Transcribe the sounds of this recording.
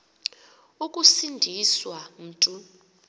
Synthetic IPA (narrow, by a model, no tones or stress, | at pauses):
ukʼusindʱiswam̩ːtʼu